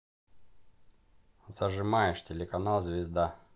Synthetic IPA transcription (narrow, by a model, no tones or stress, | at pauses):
ot̪zɐʐɨmajɪʂtʲɪlʲɪkɐnalˠzʲvʲɪzd̪a